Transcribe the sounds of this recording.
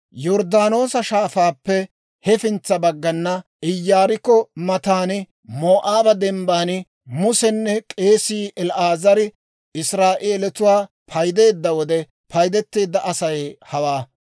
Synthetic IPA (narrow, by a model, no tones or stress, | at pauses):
jɔɾd̪aːno̞ːsɐʃaːfaːpːɛ | hɛfɪnt͡sːɐbɐɡːɐnːɐʔɪjːaːɾɪkːɔmɐt̪aːnɪ | moːʔaːbɐd̪ɛmbaːnɪ | mʊsɛnːɛkʼe̞ːsiːʔɛlʔaːzɐɾɪ | ɪsɾaːʔeːlɛt̪ʊwaː | pʰɐjd̪e̞ːd̪ːɐwɔd̪ɛ | pʰɐjd̪ɛt̪ːe̞ːd̪ːɐʔɐsɐjɛhɐwaː